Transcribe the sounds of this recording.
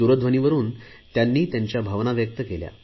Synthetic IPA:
uɾəd̪ʱʋəniʋəɾuːn | t̪janːiːt̪jaɲt͡ɕjabʱaʋnaʋjək̚t̪əkelja̰

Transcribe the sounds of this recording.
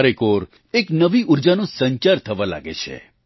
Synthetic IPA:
ɾekoɾ | eknəʋiuɾd͡ʒanũsəɲt͡ʃaɾt̪ʰəʋala̰ɡḛt͡ʃʰḛ

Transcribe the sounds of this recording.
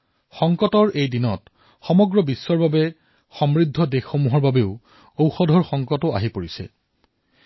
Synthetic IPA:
xɔŋkɔtɔɹejdinɔt | xɔmɔɡɹɔbisːɔɹbabɛ | xɔmɹidʱːɔdexːomuɦɔɹbabeʊ | owxɔdʱɔɹxɔŋkɔtʊa̰ɦipoɹisɛ̰

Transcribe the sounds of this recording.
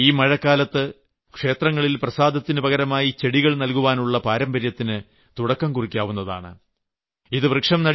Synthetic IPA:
iːmɐɻɐkːaːlɐt̪ːɨ | kʂe̞ːt̪rɐŋːɐɭilprɐsaːd̪ʱɐt̪ːinɨbɐɣɐɾɐmaːjit͡ɕeɽiɣɐɭnɐlkuʋaːnuɭːɐpaːɾɐmbɐɾjɐt̪ːinɨ | t̪uɽɐkːɐmkurikʲːaːʋunːɐða̰ːɳɨ | iðɨbrɨkʂɐmnɐɽ

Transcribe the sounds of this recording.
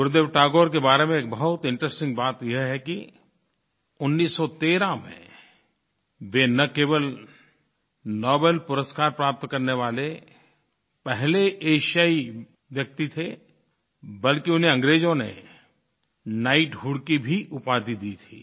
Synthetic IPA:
ɡʊɾd̪eːʋʈaːɡoːɾk̬ebaːɾemẽːk̚bɐɦʊt̪ɪ̃ɳʈɾəsʈɪ̃ŋɡbaːt̪jɐɦɦɛki | ʊnːiːsːɔt̪eːɾãmḛ̃ | ʋenɐkeːʋəl | nɔːbeːlpʊɾəskaːɾpɾaːp̚t̪kɐɾneʋaːle | pɛɦleʔeːʃiaːi | ʋjɐk̚t̪it̪ʰe | bɐlkiʊnɦẽɐ̃ŋɡɾeːd͡ʒõnḛ | naːɪʈɦuːɽkibʱiʔʊpaːd̪id̪iːt̪ʰḭː

